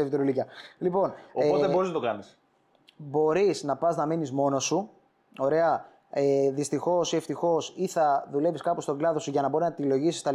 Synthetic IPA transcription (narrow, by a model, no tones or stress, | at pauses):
evit̪ɾolicɐlipo̞neoeboɾiznɐt̪ɐnis | bo̞ɾisnɐpɐznɐminizmo̞no̞su | o̞ɾe̞ɐ | eðist̪ixo̞sieft̪ixo̞siθɐðule̞viskɐpust̪o̞ɡlɐðo̞suʝɐnɐbo̞ɾiznɐt̪ilo̞ʝisist̪ɐ